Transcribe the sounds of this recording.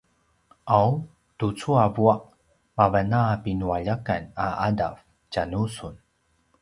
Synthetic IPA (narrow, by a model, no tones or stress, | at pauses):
ʔaw | tut͡suavuaʔ | mavanapinuaʎakana̰ada̰v | canusun